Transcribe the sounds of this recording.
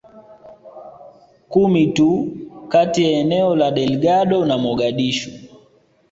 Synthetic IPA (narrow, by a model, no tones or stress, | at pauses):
kumitukatijaɛnɛɔlaɗɛlɡaɗɔnamɔɡaɗiʃu